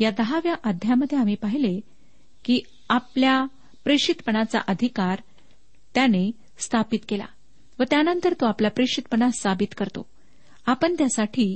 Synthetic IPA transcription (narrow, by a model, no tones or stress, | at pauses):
jad̪əɦaʋjaʔad̪ʱjaməd̪ʱːjeam̤iːpaɦile | kiː | aplja | pɾeɕit̪pəɳat͡sa̰ʔəd̪ʱikaɾ | t̪jane | st̪ʰapit̪kela̰ | ʋət̪janənt̪əɾt̪oaplapɾeʂit̪̚pəɳasabit̪kəɾt̪o̰ | apəɳt̪jasaʈʰiː